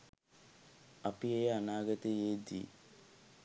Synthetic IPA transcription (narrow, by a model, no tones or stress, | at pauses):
apieanaːɡət̪ejeːd̪ḭ